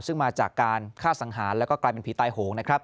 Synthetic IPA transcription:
sɯ˥˩ŋmaː˧t͡ɕaː˨˩kːaː˧nkʰaː˥˩sa˩˦ŋɦaː˩˦nlɛ˦˥wkɔː˥˩klaː˧jpe˧npʰi˩˦t̪aː˧jhoː˩˦ŋna˦˥kʰɾa˦˥p̚

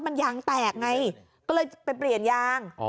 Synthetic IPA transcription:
ma˧njaː˧ŋt̪ɛː˨˩k̚ŋa˧j | kɔː˥˩lɤː˧jpa˧jpli˨˩ənjaː˧ŋ

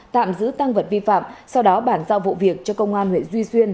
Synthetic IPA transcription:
t̪a̰ː˧˨mzɨ̰˧˥t̪a˧ŋvə˨˩t̚vi˧fa̰ː˧˨msa˧wɗɔ˨˦ɓaː˧˩nzaː˧wvṵ˧˨vi˨˩ək̚t͡ɕɔ˧kə˧wŋ͡mʔaː˧nhwḛ˧˨zwi˧swi˧ən

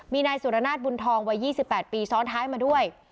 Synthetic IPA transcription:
miː˧naː˧jsu˨˩ʔa˧naː˥˩bu˧nt̪ʰɔː˧ŋwa˦˧˥jːiː˥˩si˨˩pːɛː˨˩t̪̚piː˧sɔː˦˥ŋt̪ʰaː˦˥jmaː˧du˥˩əj

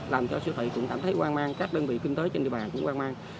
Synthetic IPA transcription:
laː˨˩mt͡ɕɔ˧sɨ˧ət̪ʰə̰˧˨˩kʊ̰˧˥ŋ͡mkaː˧˩mt̪ʰə˨˦jkwaː˧nmaː˧ŋkaː˦˥k̚ɗəː˧nvḭ˧˨kwi˧ŋt̪əː˨˦jt͡ɕe˧nɗḭ˧˨əɓaː˨˩kʊ̰˧˥ŋ͡mkwaː˧nmaː˧ŋ

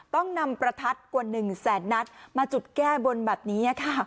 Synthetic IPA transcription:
t̪ɔ˥˩ŋna˧mpɾa˧t̪ʰa˦˥t̪̚ku˨˩ənɯ˨˩ŋsɛː˩˦nːa˦˥t̪̚maː˧t͡ɕu˨˩t̪̚kɛː˥˩bo˧nbɛː˨˩p̚niː˦˥na˥˩kʰa˥˩

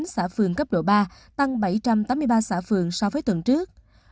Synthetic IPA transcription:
nsaː˧˩fɨ˨˩əŋkə˦˥p̚ɗo̰˧˩ɓaː˧ | t̪a˧ŋɓa˧˩jt͡ɕa˧mt̪aː˨˦mɨ˧jɓaː˧saː˧˩fɨ˨˩əŋsa˧wvəː˨˦jt̪wə˨˩nt͡ɕɨ˦˥ək̚

